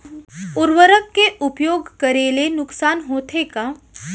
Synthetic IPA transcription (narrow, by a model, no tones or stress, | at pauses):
ʊɾwəɾəkːeʊpjoːɡkəɾeːlenʊksaːnɦoːt̪ʰeka